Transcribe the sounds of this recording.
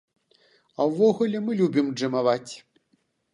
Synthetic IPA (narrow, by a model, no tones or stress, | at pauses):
ɐwːɔɣulʲɛmɨlʲubʲimd͡ʐɨmavat͡sʲ